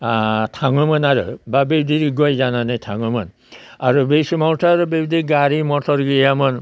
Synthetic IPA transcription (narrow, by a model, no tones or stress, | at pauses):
tʰaŋɯmɯnaɾɯ̰babebdiɾiɡɔjzananajtʰaŋɯmɯn | aɾubejsimawtʰaɾɯbebdiɡaɾimɔtʰɔɾɡijamɯn